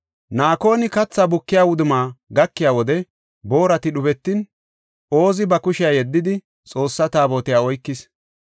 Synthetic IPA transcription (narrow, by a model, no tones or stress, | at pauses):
naːko̞ːnɪkɐt͡sːɐbʊkːɪjaːwʊd̪ʊmaːɡɐkːɪjaːwɔd̪ɛ | bo̞ːɾɐt̪ɪɗʊbɛt̪ːɪn | ʔo̞ːzɪbɐkʊʃɪjaːjɛd̪ːɪd̪ɪ | t͡sʼo̞ːsːɐt̪aːbo̞ːt̪ɪjaːɔjkːɪs